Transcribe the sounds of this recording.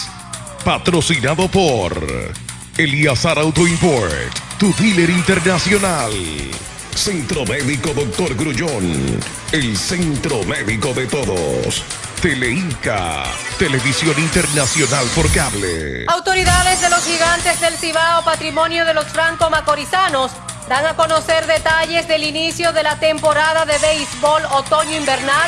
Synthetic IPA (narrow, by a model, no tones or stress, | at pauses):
pat̪ɾosinaðo̞poɾ | eliasaɾawt̪oimpoɾt̪ːuðileɾint̪eɾnasjo̞nal | sent̪ɾomeðiko̞ðok̚t̪oɾɡɾuʎon | elsent̪ɾomeðiko̞ðet̪oðo̰s | t̪eleiŋka̰t̪eleβisjo̞nint̪eɾnasjo̞nalpoɾkaβlḛawt̪o̞ɾiðaðe̞zðelo̞sxiɣant̪ezðe̞lsiβaopat̪ɾimo̞njoðe̞lo̞sfɾaŋkomako̞ɾisanos | d̪aŋako̞no̞se̞ɾðet̪aʝe̞zðe̞linisjo̞ðelat̪e̞mpo̞ɾaðaðeβejsbo̞lot̪o̞ɲoimbeɾnal